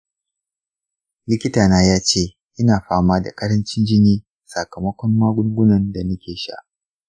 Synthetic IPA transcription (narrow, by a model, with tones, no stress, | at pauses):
lɪ˦kʲɪ˦taː˨naː˦jaː˦t͡ʃeː˦˨ | ʔɪ˦naː˨ɸaː˦maː˦da̰˨kʼɐ˦ɽɐ˦nt͡ʃɪ˦nd͡ʒɪ˦niː˦ | sɐ˨kɐ˨mɐ˦kʷɔ˦mːaː˦ɡʷʊ˦ŋɡʷʊ˦nɐ˨nda˨nʊ˦kʲeː˨ʃa̰˦ʔ